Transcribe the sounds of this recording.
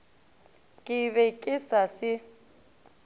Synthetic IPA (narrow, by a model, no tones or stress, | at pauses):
kʼɪβɛkʼɪsasɪ